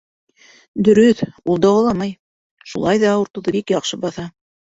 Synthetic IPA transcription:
d̪ɵ̆ɾɵθulˠd̪ɑwɑlˠɑmɑj | ʃulˠɑjðɑŭɾt̪ŏðɤbikjɑqʃɤbɑθɑ

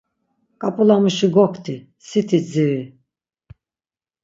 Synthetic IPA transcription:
kʼapʼulamuʃiɡɔkʰt̪ʰi | sit̪ʰid͡zii

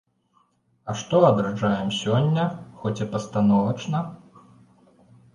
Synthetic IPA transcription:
ɐʂt̪ɔɐd̪ɾad͡ʐajɛmsʲɔnʲːɐxɔt͡sʲɐpɐst̪anɔvɐt͡ʂnɐ

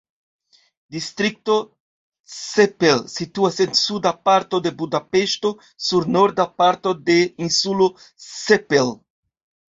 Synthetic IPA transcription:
distɾik̚to̞ | sepelsituase̞nsudapaɾto̞de̞budape̞ʃto | suɾno̞ɾdapaɾto̞de̞insulo | sepel

